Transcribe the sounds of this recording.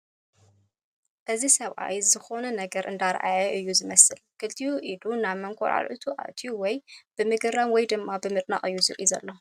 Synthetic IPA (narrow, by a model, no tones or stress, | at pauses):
ʔɨzisɐβʔa̰jzɨxo̞nɐnɐɡɐɾʔɨnd̪aɾʔa̰jɐʔɨjːuzɨmɐsɨlkʰɨlt̪ʰijuʔid̪unaβmɐŋkʰo̰ɾa̰lʔut̪ʰuʔa̰t̪ʰjuwɔjb̥ɨmɨɡɨɾamwɔjd̪ɨmːabɨmɨt̪ʼna̰χʼɨjːuzɨ̰ɾʼʔizɐ̰lːo̞